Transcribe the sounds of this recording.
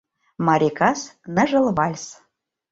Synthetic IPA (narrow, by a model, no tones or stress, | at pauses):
mɑɾʲekɑsnə̆ʒə̆lβɑlʲs